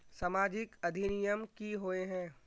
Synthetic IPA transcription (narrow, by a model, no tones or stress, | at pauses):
samaːd͡ʒɪkɐd̪ʱinɪjəmkiɦoːeɦɛ̃ː